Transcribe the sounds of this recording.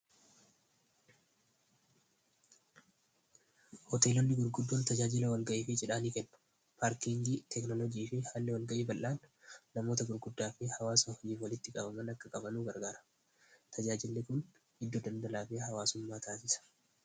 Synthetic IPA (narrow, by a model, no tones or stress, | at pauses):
hɔt̪e̞ːlɔnːɪɡʊɾɡʊd̪ːoːnt̪ɐd͡ʒaːd͡ʒɪlɐwɐlɡɐʔeːfɪd͡ʒɛᶑaːniːkɛnːʊ̥ | paːɾkiŋɡiːt̪ʰɛknɔlɔd͡ʒiːfɪhaːlːɛwɐlɡɐʔiːbɐlʔaːnːɐmo̞ːt̪ɐɡʊɾɡʊd̪ːaːfɪhɐwaːsɐɔd͡ʒiːfwɐlɪt̪ːɪkʼɐbɐmɐnɐkːɐkʼɐbɐnuːɡɐɾɡaːɾɐ̥ | t̪ʰɐd͡ʒaːd͡ʒɪlnɪkʊn | hɪd̪ːod̪ɐnd̪ɐlaːfɪhɐwaːsʊmːaːt̪ʰaːsɪsɐ̥